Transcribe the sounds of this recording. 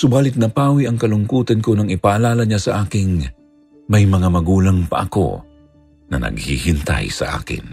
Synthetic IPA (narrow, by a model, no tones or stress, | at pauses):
sʊbaːlɪt̪̚nɐpaːwiɐŋkɐlʊŋkuːt̪ɐnkonɐŋɪpaʔɐlaːlɐɲasɐʔaːkɪŋ | mɐjmɐŋamɐɡuːlɐŋpɐ̰ʔɐ̰ko̞̰ | nɐ̰nɐ̰ɡ̚hḭhɪnt̪a̰jsɐ̰ʔa̰ːkɪ̰n